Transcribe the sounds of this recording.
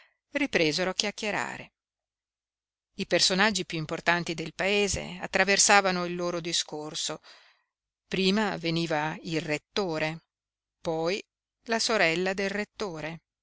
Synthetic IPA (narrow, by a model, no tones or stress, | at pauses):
ripɾeːzeɾoakːjakːjeɾa̰ːɾḛ | ipersonad͡ʒːipjuimport̪ant̪id̪elpaeːzḛa̰t̪ːɾaversaːvanoilːoːɾod̪iskorso | pɾiːmaveniːvailret̪ːoːɾe | pɔj | lasoɾɛlːad̪elret̪ːoːɾe